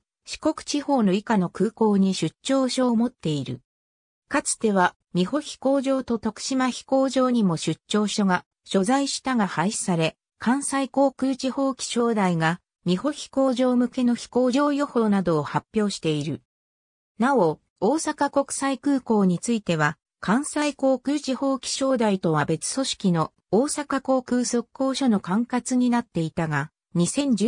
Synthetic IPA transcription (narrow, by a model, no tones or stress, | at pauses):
ɕi̥ko̞kɯ̟̥t͡ɕiho̞ːno̞ikano̞kɯ̟ːko̞ːɲ̟iɕɨɕːo̞ːɕo̞ːmo̞t̪ːe̞iɾɯ̟̰ | kat͡sɨ̥t̪e̞βa | mʲiho̞çʲi̥ko̞ːʑo̞ːt̪o̞t̪o̞kɯ̟̥ɕimaçi̥ko̞ːʑo̞ːɲ̟imo̞ɕɨt͡ɕɕːo̞ːɕo̞ɡa | ɕo̞zaiɕi̥t̪aɡahaiɕi̥saɾe̞ | kʰãɰ̃saiko̞ːkɯ̟ːt͡ɕiho̞ːkʲi̥ɕo̞ːd̪aiɡa | mʲiho̞çi̥ko̞ːʑo̞ːmɯ̟ke̞noçi̥ko̞ːʑo̞ːjo̞ho̞ːnad̪o̞ːhapʲːjo̞ːɕi̥t̪e̞iɾɯ̟ | nao̞ | oːsakako̞kɯ̟̥saikɯ̟ːko̞ːɲ̟it͡sɨit̪e̞β̞a | kʰãɰ̃saiko̞ːkɯ̟ːt͡ɕiho̞ːkʲi̥ɕo̞ːd̪ait̪o̞βabe̞t͡sɨ̥so̞ɕi̥kʲino̞ | oːsakako̞ːkɯ̟ːso̞kːo̞ːɕono̞kãŋkat͡sɨɲ̟inat̪ːe̞it̪aɡa | ɲ̟isẽ̞ɲ̟d͡ʑ